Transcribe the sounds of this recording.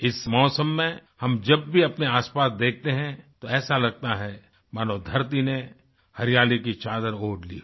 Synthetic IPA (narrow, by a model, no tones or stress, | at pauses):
ɪsmɔːsəmːẽhɐmd͡ʒɐbːʱiɐpneaːspaːsd̪eːk̚ʰt̪eɦɛ̃t̪oɛːsalɐɡ̚t̪aɦɛ | maːnod̪ʱɐɾt̪̬ine | hɐɾijaːlikit͡ʃaːd̪əɾoːʈlḭ